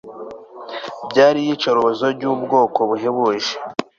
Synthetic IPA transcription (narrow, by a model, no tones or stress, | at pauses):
bɟaːɾijit͡ʃoɾoβozoɟuːbɡo̞ːko̞βuɦeβoʒe